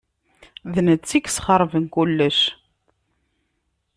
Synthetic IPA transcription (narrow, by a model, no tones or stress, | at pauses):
ðnət͡sːikːsχəɾˤvənkulːəʃ